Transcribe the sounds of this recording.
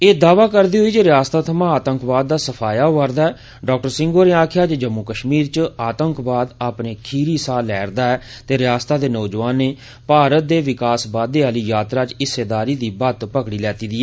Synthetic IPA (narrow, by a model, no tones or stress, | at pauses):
eːd̪aːʋaːkəɾd̪iːɦoiːd͡ʒeɾɪjaːst̪aːt̪ʰəmãːaːt̪əŋkbaːd̪̚ːaːsəpʰaːjaːʋaɾd̪aːɛː | ɖaːk̚ʈəɾsɪ̃ŋɡoːnẽːaːkʰɪjaːd͡ʒd͡ʒəmːukəʃmiːɾt͡ʃaːt̪əŋkbaːd̪aːpneːkʰiːɾiːsaːlɛːɾd̪aːɛː | t̪eːɾɪjaːst̪aːd̪eːnɔːd͡ʒʋaːnːeː | paːɾət̪̚d̪eːʋɪkaːsbaːd̪eːaːliːjaːt̪ɾaːt͡ʃɪsːeːd̪aːɾiːd̪iːbət̪pəkɽiːlɛːt̪iːd̪iːɛː